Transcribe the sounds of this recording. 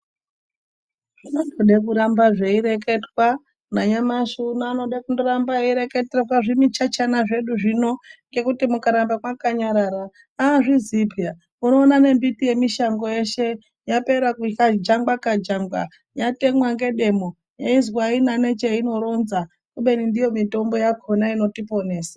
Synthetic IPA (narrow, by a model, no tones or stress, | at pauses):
ʐ̥inondoɗek̬uɾambaʐeiɾek̬e̞twa | naɲamaʃunaːno̞ɗakundoɾambaiɾeketreraʐimit͡ʃat͡ʃanaʐe̞ɗuʐino̞ŋɡe̞kutimukaɾambamwakaɲaɾaɾa | aʐizipja | uno̞ːnane̞mbitije̞miʃaŋɡo̞je̞ʃe̞ | jape̞ɾakukad͡ʒaŋɡwakad͡ʒaŋɡwa̰ | jate̞mwaŋɡe̞ɗe̞mo | jaizwainane̞t͡ʃeino̞ɾo̞nza | kuɓe̞nindijo̞mito̞mbo̞jakʰonaino̞tipo̞ne̞ːsḁ